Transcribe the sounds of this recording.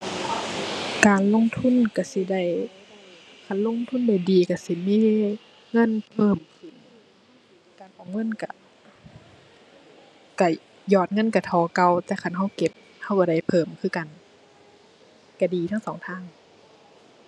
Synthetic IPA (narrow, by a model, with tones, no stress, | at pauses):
kaː˨nlo˧˥˨ŋt̪ʰu˧˥˨nka˧˩si˧˦da˧˩j | kʰa˧˩˨nlo˧˥˨ŋt̪ʰu˧˥˨nda˧˩jdiː˨˩ka˧˩si˧˦miː˧˥ | ŋɤ˧˥˨npʰɤː˧˩mkʰɯ˨˩˨n | kaː˨˩nʔɔː˨˩ŋɤ˧˥˨nka˧˩ | ka˧˩ | jɔː˧˩t̪̚ŋɤ˧˥˨nka˧˩t̪ʰɔː˨˩˦ka˧wt̪ɛː˧kʰa˧˨nɦa˧˥˩wke˧˦p̚ | ha˧˥˨wka˧˦da˧˩jpʰɤː˧˨˩mkʰɯː˧˩ka˨n | ka˧˩diː˨˩t̪ʰa˧˥˨ŋsɔː˨˦ŋt̪ʰaː˧˥˨ŋ